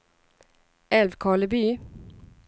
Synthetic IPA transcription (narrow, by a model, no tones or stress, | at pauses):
ɛlʋkʰɑːləbyː